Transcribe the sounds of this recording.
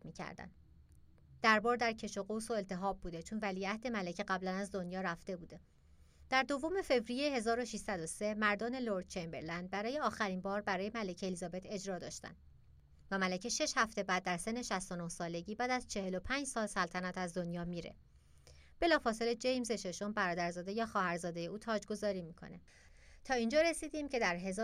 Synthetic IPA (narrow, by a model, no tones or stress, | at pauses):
miːcʰæ̰ɾd̪æ̰n | d̪̥æɾbɒːɾd̪æɾcʰe̞ʃo̞ɣoso̞e̞lt̪ʰe̞ɦɒːb̚bːuːd̪et͡ʃʰonvæliæhd̪e̞mælecʰeɣæblænæzd̪o̞njɒːɾæft̪e̞buːd̪e̞ | d̪̥æɾd̪o̞vome̞fe̞vɾijehe̞zɒːɾo̞ʃiʃsæd̪ose̞mæɾd̪ɒːneloɾd̪̥̚t͡ʃembeɾlænd̪̚bæɾɒːje̞ɒːxæɾinbɒːɾbæɾɒːje̞mælecʰeelizɒːbe̞t̪ʰe̞d͡ʒɾɒːd̪ɒ̰ːʃt̪æ̰n | væmælecʰeʃe̞ʃhæft̪e̞bæːd̪̚ːæɾse̞nːe̞ʃæst̪o̞nohsɒːle̞ɟiːbæːd̪æz̥t͡ʃʰe̞he̞lo̞pʰæːnd͡ʒsɒːlsælt̪ʰænæt̪ʰæzd̪o̞njɒːmiːɾḛ | b̥e̞lɒːfɒːse̞led͡ʒe̞jmzeʃe̞ʃo̞mbæɾɒːd̪æɾzɒːd̪e̞jɒːxɒːhæɾzɒːd̪e̞je̞uːt̪ʰɒːd͡ʒɡo̞zɒːɾiːmikʰo̞̰nḛ | t̪ʰɒːiːnd͡ʒɒːɾe̞siːd̪iːmcʰe̞d̪æɾɦe̞z